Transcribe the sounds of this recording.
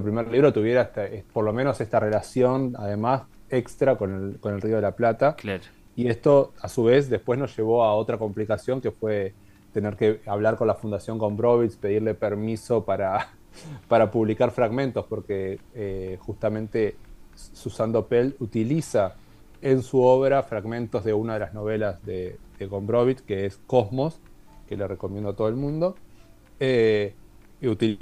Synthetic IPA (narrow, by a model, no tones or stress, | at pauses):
pɾimeɾliβɾo̞t̪uβje̞ɾaest̪aepoɾlo̞meno̞se̞st̪are̞lasjo̞na̰ðe̞mas | ekst̪ɾakoneko̞nelrio̞ð̞elaplat̪akla | ie̞st̪o̞asuβ̞e̞sd̪e̞spwe̞zno̞zʒe̞β̞o̞ao̞t̪ɾako̞mplikasjo̞ŋke̞fwe̞ | t̪e̞ne̞ɾke̞aβ̞laɾko̞nlafund̪asjo̞ŋko̞mbɾo̞βispe̞ð̞iɾle̞pe̞ɾmiso̞paɾa | paɾapuβlikaɾfɾaɣmẽ̞nt̪o̞spo̞ɾkeexust̪amẽ̞nt̪e | susand̪opelut̪ilisa | ensuoβeɾafɾaɣmẽ̞nt̪o̞zðe̞unað̞e̞lazno̞β̞e̞lazðeð̥eɣombɾoβit̪keesko̞zmo̞s | kelerekomjẽnd̪oat̪o̞ð̞elmũnd̪o̞ | e | ut̪i